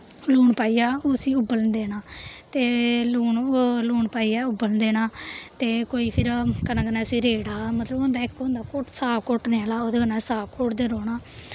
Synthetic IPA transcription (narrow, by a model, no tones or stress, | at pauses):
luːɳpaːiːaːosiːʊbəlnd̪eːnaːt̪eːluːɳluːɳpaːiːaːʊbəlnd̪eːnaːt̪eːkoːiːpʰɪɾkənãːkənaːsiːɾeːɽaːmət̪ləbond̪aːɪkːoːnd̪aːkoʈsaːbkoːʈneːalaːoːd̪eːkənãːsaːbkʰoːʈd̪eːɾoːɳaː